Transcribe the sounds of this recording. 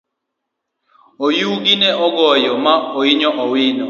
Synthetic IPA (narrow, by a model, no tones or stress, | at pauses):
ojuɡinɛʔɔɡɔjɔmaoiɲɔʔɔwɪnɔ